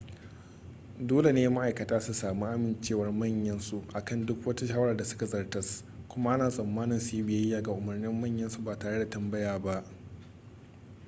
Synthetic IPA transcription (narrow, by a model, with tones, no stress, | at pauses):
doː˦le˨neː˦ma˦ʔa˨jkɐ˨taː˦su˨saː˨mu˦ʔa˦mɪ˨nt͡ʃeː˦˨wɐ˦rmɐ˦˨ɲjɐ˦nsu˨ʔa˨kɐ˦˨ndʊ˦kwɐ˦tu˦ʃaː˦wɐ˦ɽɐ˨da˨sʊ̥˦ka˨zɐ˨rtɐ˦s | kʷʊ˦ma˦ʔa˦naː˨sʼɐ˨mːaː˦nɪ˨nsu˨ji˦bɪ˨jɐ˦jaː˨ɡa˨ʔʊ˨mɐ˨rnɪ˦mːɐ˦˨ɲjɐ˦nsu˨baː˨taː˨ɽe˦da˨tɐ˨mbɐ˦jaː˨ba˦ʔ